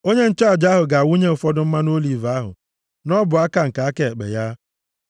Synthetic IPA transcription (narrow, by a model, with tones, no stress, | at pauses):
o˦ɲe˦n̩˦t͡ʃa˦˨d͡ʒa˦ɦʊ˨ɡa˨a˨wu˦ɲe˦ʊ˨fɔ˦dʊ˦m̩˦ma˦no˦li˨va˦ɦʊ̰˨ | nɔ˦bʊ˨a˦ka˨ŋ̩˨ka˨a˦ke˦˨k͡pḛ˨ja˦